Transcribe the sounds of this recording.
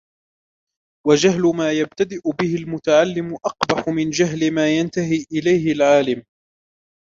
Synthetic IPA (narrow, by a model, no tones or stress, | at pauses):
wad͡ʒaɦlʊmaːjab̚t̪ad̪ɪʔʊbɪhɪlmʊt̪aʕalːɪmʊʔɑqbɑħʊmɪnd͡ʒaɦlɪmaːjant̪aɦiːʔɪlajhɪlʕaːlɪm